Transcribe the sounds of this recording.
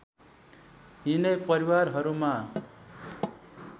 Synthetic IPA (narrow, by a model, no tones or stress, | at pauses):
ɦinʌpʌɾiwarɦʌɾuma